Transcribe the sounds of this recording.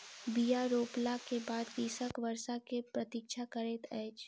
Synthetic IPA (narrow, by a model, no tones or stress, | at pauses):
bijaɾoːplakebaːd̪kiːsəkʋəɾʃakepɾɐt̪ikʃʰakəɾeːt̪ɛːt͡ʃ